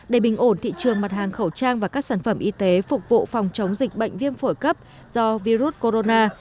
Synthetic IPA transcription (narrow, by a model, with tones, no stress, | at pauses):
ɗe˧˩ɓï˨˩ŋ̟ʔo˧˩nt̪ʰḭ˧˨t͡ɕɨ˨˩əŋma˨˩t̚ɦaː˨˩ŋxə˧˩wt͡ɕaː˧ŋvaː˨˩kaː˦˥k̚saː˧˩nfə˧˩mʔi˧t̪e˨˦fʊ˨˩k͡p̚vṵ˧˨fɔ˨˩wŋ͡mt͡ɕə˨˦wŋ͡mzï˨˩k̟̚ɓə̰˧˨jŋ̟vi˧ənfo˧˩jkə˦˥p̚ | z̥ɔ˧vi˧ɾu˦˥t̚ko˧ɾo˧naː˧